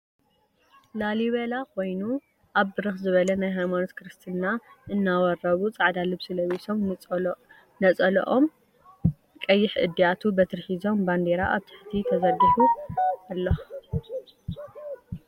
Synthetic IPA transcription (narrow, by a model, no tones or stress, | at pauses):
laliβelakʰo̞jnu | ʔaβbɨɾɨxzɨβɐlɐnajɦajmanoskɾɨst̪ʰɨnːaʔɨnːawɐrːɐβut͡sʼaʕd̪alɨbsɨlɐwiso̞m | nɐt͡sʼɐl̰ʔom | kʼɐjːɪħʔɨ̰d̪ːijat̪ʰubɐt̪ʰɨɾħizo̞mband̪eɾaʔaβt̪ʰḁħt̪ʰit̪ʰɐzɐɡiħualːɐx